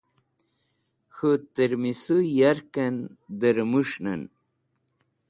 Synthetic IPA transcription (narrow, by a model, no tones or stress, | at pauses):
xət̪əɾmisujaɾkɐnd̪əɾmuʂna̰n